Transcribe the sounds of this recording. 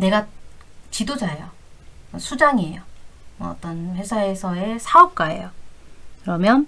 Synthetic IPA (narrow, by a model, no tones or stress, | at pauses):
ne̞ɡat͡ɕidod͡ʑaejo | ʌsʰud͡ʑaŋiejomʌ̰ːt͈ʌnɸe̞sʰae̞sʰʌe̞sʰaʌp̚k͈ae̞̰jokɯɾʌmjʌn